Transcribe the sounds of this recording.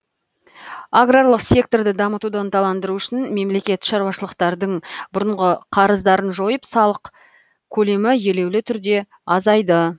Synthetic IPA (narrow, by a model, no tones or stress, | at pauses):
aɡralˠəqsʲe̞k̚t̪o̞rd̪ɪd̪ɑmət̪ud̪ɑnt̪ʰɑlˠɑnd̪əɾuʏʃɪnme̞mle̞kʲe̞t̪ʃɑɾwɑʃəlˠəqt̪ɑɾd̪əɴbʊɾəɴʁəqʰɑɾəzd̪ɑɾənʒo̞jəpsɑlˠəq | kʲʰɵle̞mɪje̞le̞wlɪt̪ʰʏɾd̪e̞ | ɑzɑjd̪ə